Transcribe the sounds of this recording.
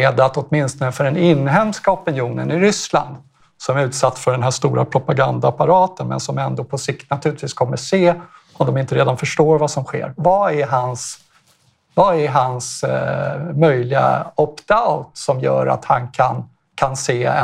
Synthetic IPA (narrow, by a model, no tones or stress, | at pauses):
eːd̪at̪ɔt̪mɪnst̪ɔnəfœɖɛnɪnːɦɛmskaɔpɪnjuːnə̰nɪɾʏsla̰nd̪ | sɔmæɾʉ̟ːt̪sat̪ːsfœɖɛnɦæːʂt̪uːɾa̰pʰɾʊpaɡand̪aːpaɾɑːt̪ənmɛ̰nsɔmɛnd̪opʰɔsɪk̚t̪nat̪ʰʉ̟lɪt̪viːskʰɔmːəseː | ɔd̪ɔmɪnt̪əɾeːd̪anfœʂʈoːɾvasɔmɧḛːɾvaæɾɦans | vaæɾɦans | mœjlɪɡa̰ɔpd̪aʊt̪sɔmjœ̰ːɾa̰t̪hankʰan | kʰanseːɛ̰